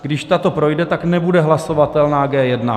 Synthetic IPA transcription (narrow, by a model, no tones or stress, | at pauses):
ɡdɪʃt̪at̪o̞pɾo̞jdɛt̪aknɛbudɛɦlaso̞vat̪ɛlnaːɡɛːjɛdna